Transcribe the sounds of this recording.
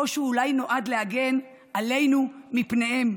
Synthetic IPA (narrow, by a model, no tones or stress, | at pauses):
oʃuːlajno̞ʔad̪le̞haɡe̞n | ʔale̞jnumipne̞he̞m